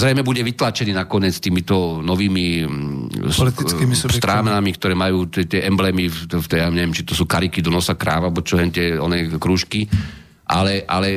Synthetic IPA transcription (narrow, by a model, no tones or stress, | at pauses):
zɾɛjmɛbuɟɛʋit̪laːt͡ʃɛniːnakɔɲɛt͡st̪iːmit̪ɔnɔʋiːmi | lt̪ist̪ɾaːmnamikt̪ɔɾɛːmajuːt̪ɛt̪ɪɛʔɛmblɛːmift̪ɛjaɲɛʋjɛmt͡ʃit̪ɔsuːkaɾikid̪ɔnɔsakɾa̰ːʋabɔt͡ʃɔlɛnt̪ɪɛɔ̰nɛːkɾuːʃki | ʔa̰lɛʔa̰lɛ